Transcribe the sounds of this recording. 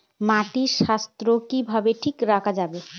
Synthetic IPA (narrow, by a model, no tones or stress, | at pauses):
mat̪isast̪ɾokibʱabeʈʰikɾakad͡ʒabe